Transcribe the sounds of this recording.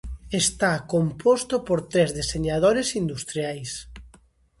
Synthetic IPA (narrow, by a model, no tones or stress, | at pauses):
est̪akompost̪opoɾt̪ɾezðeseɲað̞oɾesind̪ust̪ɾjajs